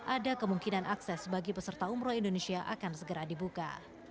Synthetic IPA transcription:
ʔadakəmuŋkinanʔaksɛsbaɡipəsərt̪aumɾoindonesiaʔakansəɡəɾadibuka̰

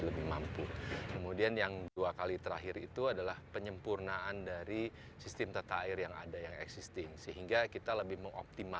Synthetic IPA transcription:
ləbɪhmampukəmudianjaŋduakalit̪əɾaɦɪɾit̪uadalahpəɲəmpurnaandaɾi | sist̪ɛmt̪at̪aːɪrjaŋa̰dajaŋɛ̰ksist̪ɪŋsəɦiŋɡakit̪aləbɪhməŋo̰p̚t̪ima

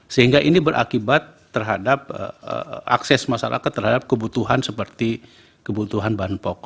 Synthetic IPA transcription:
səɦiŋɡaʔinibəɾʔa̰kibat̪ːərɦadap̚əʔa̰ksɛsmasa̰ɾʔa̰kat̪ːərɦadap̚kəbut̪uɦansəpərt̪i | kəbut̪uɦanbaanpɔk̚

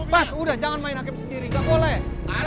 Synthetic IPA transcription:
basudahd͡ʒaŋanmaɪnak̬ɪmsəndiɾiɡaʔmolɛh

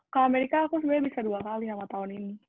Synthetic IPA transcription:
kəameɾikaːkus̬ubajabisaduakalinamat̪aɦʊnini

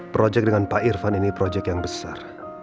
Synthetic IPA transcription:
pɾod͡ʒɛk̚dəŋanpaʔirfaninipɾod͡ʒɛkjaŋbəsar

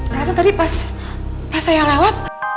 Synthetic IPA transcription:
aɾasat̪adipas | pasajalawat̪̚

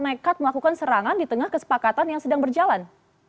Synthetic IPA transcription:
naekat̪̚məlakukansəɾaŋandit̪əŋahkəsə̥pakat̪anjaŋsədaŋbərd͡ʒalan

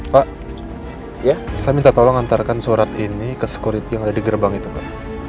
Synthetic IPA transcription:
paʔ | jasamint̪at̪alaŋant̪arkansuɾat̪inikəsə̥kuɾit̪ijaŋadadiɡərbaŋit̪uka̰

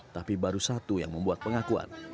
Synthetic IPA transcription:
t̪apibaɾusat̪uja̰ŋməmbuat̪̚pəŋakua̰n

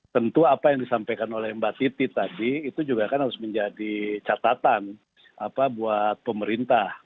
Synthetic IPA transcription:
t̪ənt̪uapajaŋdisampajkanolɛhmbat̪it̪it̪adiːt̪ud͡ʒuɡakanhaɾʊsməɲd͡ʒadit͡ʃat̪at̪an | apabuat̪̚pəməɾint̪ah

